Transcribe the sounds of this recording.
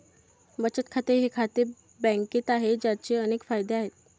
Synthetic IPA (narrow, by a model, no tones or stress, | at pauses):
bət͡ɕət̪kʰat̪eɾɦekʰat̪e | bɛ̃ŋket̪aɦed͡ʑjat͡ɕeənekfajd̪eaɦet̪̚